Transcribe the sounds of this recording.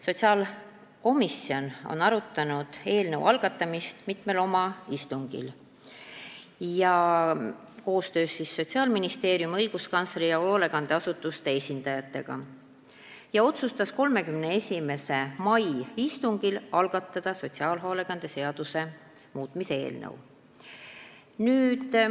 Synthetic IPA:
so̞t̪ʲsiɑːl | ko̞misio̞no̞̰nɑɾut̪ːˑɑnud̪̥e̞ːlnəw̰ʔɑlɡ̥ɑt̪ːˑɑmist̪mit̪ˑme̞lo̞mɑist̪uŋɡ̥ḭl | jɑ | ko̞ːst̪ø̞ːsːisːo̞t̪ʲsiɑːlminist̪e̞ːɾjumɤjɡ̥uskɑnsɾijɑoole̞ɡ̥ɑnd̪̥e̞ɑsut̪ːˑust̪e̞esʲind̪̥ɑjɑt̪ːˑe̞̰ɡ̥ɑ̰ | jɑo̞t̪sust̪ɑsko̞lme̞kymne̞e̞sʲime̞se̞mɑjist̪uŋɡ̥ilɑlɡ̥ɑt̪ːˑɑd̪̥ɑso̞tʲsiɑːlɦole̞ɡ̥ɑnd̪̥e̞se̞ɑd̪̥use̞ | muːt̪ˑmise̞e̞̰ːlnɤ̰w | nyːd̪̥

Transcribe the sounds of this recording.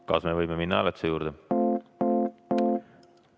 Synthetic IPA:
kɑ̰sme̞vɤjmeminːɑæ̰let̪sejuːɾd̪̥e

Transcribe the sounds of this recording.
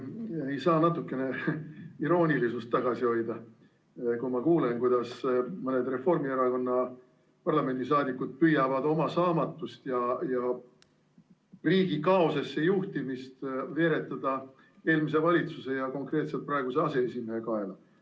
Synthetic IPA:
e̞jsɑːnɑt̪ːˑukːˑe̞ne̞iɾo̞ːnʲilisust̪ːɑɡ̥ɑsio̞jd̪ɑ | kumɑkuːle̞nkujd̪̥ɑsmɤne̞d̪re̞fo̞rmieɾɑko̞nːɑ | pɑrlɑme̞nd̪̥isɑːd̪ikːˑud̪̥̚pyjɑvɑd̪o̞mɑsɑːmɑt̪ːˑust̪jɑjɑ | riːɡ̥ikɑo̞sesːejuht̪imist̪ve̞ːɾe̞t̪ːˑɑd̪̥ɑ | e̞ːlmis̬e̞vɑlʲit̪suse̞jɑko̞ŋkre̞ːt̪set̪̚prɑe̞ɡuse̞ɑse̞esimeekɑe̞lɑ

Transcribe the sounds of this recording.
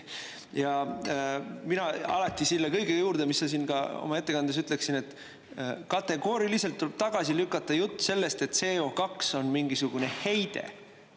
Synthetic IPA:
jɑ | minɑɑ̰lɑt̪ːˑisilːekɤjɡejuːɾd̪̥emisːɑs̬iːnɡ̥ɑo̞̰mɑe̞t̪ːe̞kɑnd̪es̬yt̪ːˑleksine̞t̪ːˑ | kɑt̪ːˑe̞ɡo̞ːɾiliselt̪ːuleb̥̚t̪ɑɡ̥ɑsilykːˑɑt̪ˑːɑjut̪ːse̞lːe̞st̪e̞t̪ːse̞ːo̞kɑkso̞nmiŋɡisuɡ̥une̞he̞jd̪̥e̞̰

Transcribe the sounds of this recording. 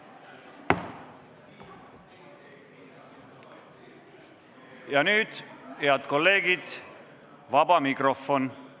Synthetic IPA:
jɑnyːd̪̥heɑd̪ko̞lːe̞ːɡid̪̥ | vɑbɑmikrofon

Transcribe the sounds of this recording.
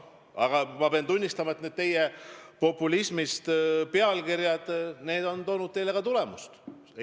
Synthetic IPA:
ɑɡ̥ɑmɑpeɑnt̪unʲːist̪ɑmɑet̪ned̪̚t̪e̞jepo̞pːˑulismist̪peɑlkiɾjɑd̪̥ne̞ːd̪o̞nt̪o̞ːnud̪̚t̪e̞jle̞kɑt̪ule̞must̪

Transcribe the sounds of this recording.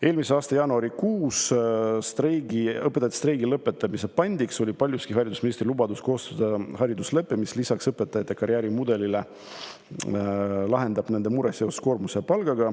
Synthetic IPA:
e̞ːlmise̞ɑːst̪ɑjɑːnuɑɾikuːsst̪reɡiɤpːˑet̪ɑt̪ːˑe̥st̪rejɡilɤpːˑe̞t̪ːˑɑmise̞pɑnʲd̪̥ikso̞lʲipɑlʲjuskiɦɑɾʲid̪usminist̪rilubɑd̪usko̞ːst̪ɑd̪̥ɑɦɑɾid̪usle̞pːemislisɑksɤpːˑe̞t̪ːˑɑjɑt̪ːˑekɑɾjæːɾimud̪e̞lile | lɑɦe̞nd̪ɑb̥ne̞nd̪e̞muɾesjeossko̞ːrmuseɑpɑlɡ̥ɑɡ̥ɑ

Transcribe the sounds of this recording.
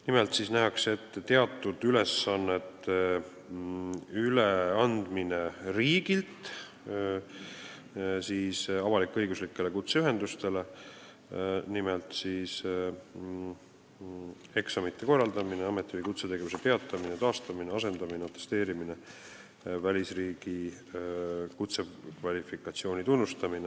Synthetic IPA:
nimelt̪sisnæɦɑkse̞t̪ːt̪ːe̞ɑt̪ːˑud̪̥yle̞sːɑnːet̪ːe | yleɑnd̪̥mineriːɡ̥ilt̪ | siːsɑvɑlikːˑeɤjɡuslikːe̞le̞kut̪seyɦe̞nd̪ust̪e̞le̞ | nimelt̪siːs | e̞ksɑmit̪ːˑe̞ko̞rːɑld̪ɑmineɑme̞t̪ːˑivɨjkut̪se̞t̪eɡe̞vuse̞pe̞ɑt̪ˑːɑminet̪ɑːst̪ɑmineɑse̞nd̪ɑmineot̪ːˑest̪e̞ːɾimine | vælʲisriːɡ̥i | kut̪se̞kvɑlʲifikːˑɑt̪sio̞ːnʲit̪unːust̪ɑmine

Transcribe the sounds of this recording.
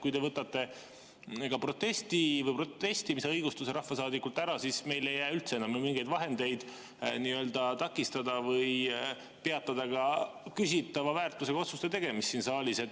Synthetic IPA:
kujt̪e̞vɤt̪ːˑɑt̪ːe̞ | kɑpro̞t̪ːe̞st̪ivɤjpro̞t̪e̞st̪imiseɤjɡust̪use̞ɾɑhfɑsɑːd̪ikːˑult̪ːˑæɾɑsisme̞jle̞jːæːylt̪seenɑmjumiŋɡ̥e̞jd̪vɑɦe̞nd̪̥e̞jd̪̥ | niø̞ld̪ɑt̪ɑkːˑist̪ɑd̪ɑvɤj | pe̞ɑt̪ːˑɑd̪̥ɑɡɑkys̬ʲit̪ːˑɑvɑvæːrt̪ːˑuse̞ɡ̥ɑo̞t̪sust̪e̞t̪e̞ɡe̞mist̪ːiːnsɑːlʲise̞t̪ː

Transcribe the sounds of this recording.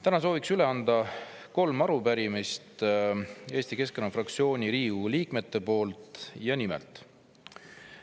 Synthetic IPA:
t̪ænɑs̬o̞ːviksyle̞ɑnd̪ɑko̞lmɑɾupæɾimist̪ | e̞ːst̪ike̞skenɑfrɑk̚t̪sio̞ːnʲiɾiːuliːkme̞t̪ːe̞po̞ːlt̪ˑjɑnimɛ̰lt̪ˑ

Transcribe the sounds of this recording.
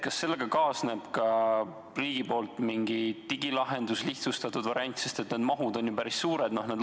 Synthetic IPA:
kɑsːe̞lːe̞ɡ̥ɑkɑːsne̞b̥kɑ | riːɡ̥ipo̞ːlt̪ˑmiŋɡit̪iɡ̥ilɑɦe̞nd̪̥usliht̪sust̪ɑt̪ːˑud̪̥vɑɾiɑnʲt̪sest̪e̞t̪neːd̪mɑɦud̪o̞njupæɾisːuːɾe̞d̪no̞hned̪

